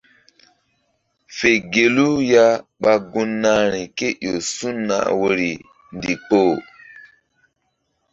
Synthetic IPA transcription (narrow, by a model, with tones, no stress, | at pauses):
fe˨ɡe˨lu˦ja˦ɓa˦ɡu˦nːa˦ɾi˨ke˦jo˨su˦nːa̰˦˨wo˦ɾi˨ | ndi˨k͡poː˦˨